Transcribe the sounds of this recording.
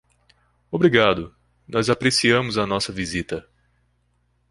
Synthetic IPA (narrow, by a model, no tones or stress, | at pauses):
obɾiɡad̪ʊ | nʔɔzapɾesiɐ̃mʊzɐnɔsɐvizit̪ɐ